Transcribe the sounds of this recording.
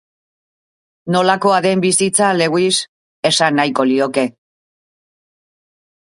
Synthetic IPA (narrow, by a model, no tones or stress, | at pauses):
no̞lako̞aðe̞mbisit͡sale̞ɣwis | e̞sanːajko̞lio̞ke̞